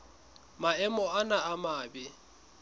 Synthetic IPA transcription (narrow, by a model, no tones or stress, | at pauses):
maɛmɔanaamaːbɪ